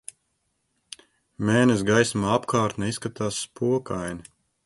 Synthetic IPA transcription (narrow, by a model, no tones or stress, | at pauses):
mɛːnɛs̬ɡajsmaapkʰaːɾt̪nɛiskat̪aːsːpuɔkajni